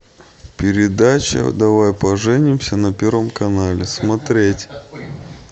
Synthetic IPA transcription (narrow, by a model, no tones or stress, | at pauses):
pʲɪɾʲɪd̪at͡ɕə̰d̪ɐvajpɐʐɛnʲɪmsʲənɐpʲervəmkɐnalʲɪsmɐt̪ɾʲetʲ